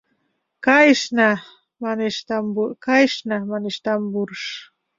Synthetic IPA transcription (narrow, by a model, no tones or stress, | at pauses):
kajʃna | maniʃt̪ambukajʃnamaniʃt̪ambuɾʃ